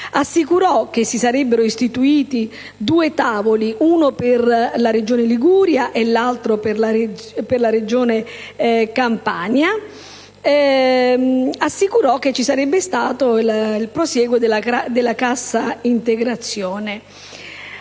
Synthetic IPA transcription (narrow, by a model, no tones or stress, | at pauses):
asːikuɾɔk̟esːisaɾɛbːeɾoist̪it̪uiːt̪i | d̪uːet̪aːvoliʔuːnoperlaɾed͡ʒoːneliɡuːɾjaʔelːalt̪ɾopera | perlaɾed͡ʒoːne | kampa̰ɲa | asːikuɾɔk̟ːet͡ʃːisaɾɛbːest̪aːt̪olilpɾosjɛːɡwed̪elːaad̪elːakasːaint̪eɡɾat̪sːjoːne